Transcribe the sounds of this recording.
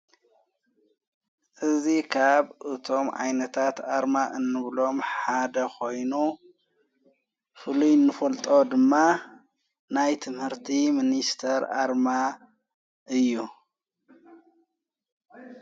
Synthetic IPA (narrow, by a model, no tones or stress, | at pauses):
ʔɨzikʰaβɨt̪ʰo̞mʕa̰jnɐt̪ʰat̪ʔaɾmaʔɨnːɨβlo̞mħad̪ɐkʰo̞jnu | fɨlujnːɨfɐlt̪ʼo̞d̪ɨmːa | najt̪ʰɨmhɨɾt̪ʰiminist̪ʰɐɾa̰ɾma | ʔɨjːu